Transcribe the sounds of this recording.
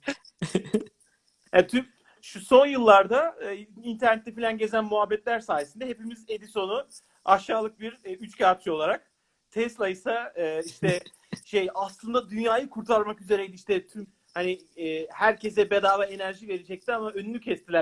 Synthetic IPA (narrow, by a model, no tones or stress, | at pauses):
jat̪ʰyp | ʃuso̞njɯlˠːaɾd̪aɯːint̪ʰæɾnɛt̪ːɛfilʲanɟe̞zænmuɦabːɛt̪lʲæɾsaːjesɯnd̪aɦepimize̞d̪iso̞nu | aʃaːlˠɯk̚biɾyt͡ʃcaɾt̪io̞lˠaɾak̚ | t̪ʰɛst̪ʲajɯsaɯːiʃt̪ɛ | ʃejaslˠɯnd̪ad̪ynjaːjɯkʰuɾt̪ʰaɾmakyze̞ɾejd̪iiʃt̪ɛt̪ʰym | haniː | hæɾcʰes̬ɛbe̞d̪aːvaenæɾʒive̞ɾed͡ʒɛc̚t̪iamaønynycʰɛst̪ilʲæ